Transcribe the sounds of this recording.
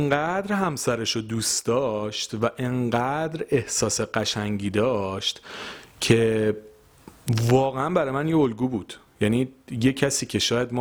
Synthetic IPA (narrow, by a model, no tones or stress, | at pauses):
eŋɢæd̪ɾhæmsæɾeʃod̪uːsd̪ɒːʃt̪væʔeɴɢæd̪ɾe̞hsɒːseɢæʃæŋɟiːd̪ɒːʃt̪cʰe̞ | vɒːɣeænbæɾɒjmænjeolɡuːbuːd̪̥ | jæniːjecʰæsiːcʰe̞ʃɒːjæd̪mː